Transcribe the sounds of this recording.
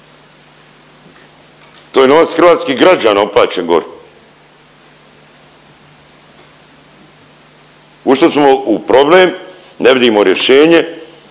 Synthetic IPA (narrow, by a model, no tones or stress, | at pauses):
t̪oːjenoʋat̪sxr̩ʋaːt̪skiɡɾad͡ʑaːnaopla̰ːt͡ɕenɡo̞̰ɾe | uʃt̪osmo̞upɾo̞bleːm | neʋid̪imo̞ɾje̞ʃe̞ːɲe̞